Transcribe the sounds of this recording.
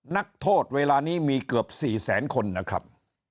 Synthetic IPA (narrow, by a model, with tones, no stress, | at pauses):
na˦˥k̚t̪ʰoː˥˩t̪̚weː˧laː˧niː˦˥miː˧kɯ˨˩p̚siː˨˩sɛ̰ː˩˦nkʰo˧nːa˦˥kʰɾa̰˦˥p̚